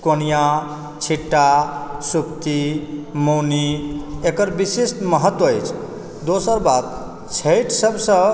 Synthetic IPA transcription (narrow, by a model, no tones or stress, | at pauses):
konija | t͡ʃʰiʈːasukt̪imowniekəɾbisesʈməɦət̪ːwəejt͡ʃʰ | d̪osəɾbat̪ | t͡ʃʰejʈsəbsə̃